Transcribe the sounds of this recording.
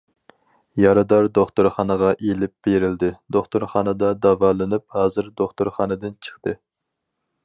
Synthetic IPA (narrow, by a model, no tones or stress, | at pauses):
jɑɾɨd̪ɑɾd̪oχt̪ʊɾχɑnəʁɑʔelɪp̚b̥eɾɪld̪ɪd̪oχt̪uɾχɑːnɨd̪ɑd̪ɑvɑlˠɨnɨp̚hɑːzɨɾd̪oχt̪uɾχɑnɨd̪ɨnt͡ʃʰə̥χt̪ɨ